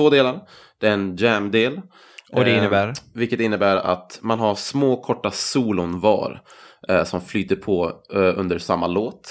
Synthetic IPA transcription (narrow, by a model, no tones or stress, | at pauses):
voːd̪eːlaɾ | d̪̥ɛɾɛnd͡ʒæmd̪eːl | ɔd̪ɛɪnːəbæːɾvɪlkət̪ɪnːəbæːɾa̰t̪manɦaɾsmoːkʰɔʈːasuːlʊnvɑ̰ːɾsɔmflyːt̪əɾpʰɔɵnd̪əɾsamːaloːt̪